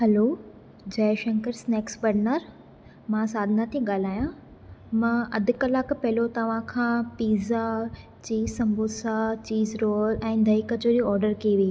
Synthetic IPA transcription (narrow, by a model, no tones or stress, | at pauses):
hɐloː | d͡ʑɛːʃɐ̃ŋkəɾsneːksbɐɖnəɾ | mãːsaːd̪ʱɪnat̪ʰiɠaːl̤aːjã | mãːʔɐd̪ʱʊkɐlaːkpɐɦɪlot̪ɐʋ̤ãkʰãːpiːza | t͡ɕiːzsɐ̃mbʱosat͡ɕiːzɾoːlɛ̃ːd̪ʱɐiːkɐd͡ʑoːɾiɔːɾɖəɾkiːʋii